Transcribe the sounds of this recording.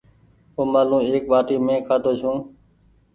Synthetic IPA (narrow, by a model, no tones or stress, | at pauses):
oːmaːlũːeːk̚ʋaːʈiːmẽːkʰaːt̪oːt͡ʃʰũː